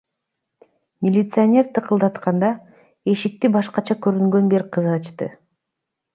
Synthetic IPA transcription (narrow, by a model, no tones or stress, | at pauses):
mʲɪlʲɪt̪sɨonʲe̞ɾt̪ʰɯqɯlˠd̪ɑt̪qɑnd̪ɑ | e̞ʃik̚t̪ibɑʃqɑt͡ʃʰɑkøɾyŋɡø̞nbeɾqʰɯzɾɑt͡ʃt̪ɯ̰